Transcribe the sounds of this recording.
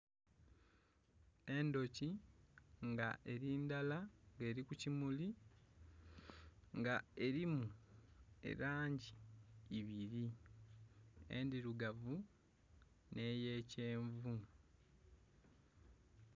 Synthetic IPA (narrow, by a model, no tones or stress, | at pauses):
e̞ndo̞ci | ŋɡaʔe̞ɾiːndalaŋɡe̞ːɾikucimuli | ŋɡae̞ɾimu | e̞̰ɾaːɲɟiː | βiɾi | ḛndiɾuɡavu | ne̞ːje̞ːceːɱvu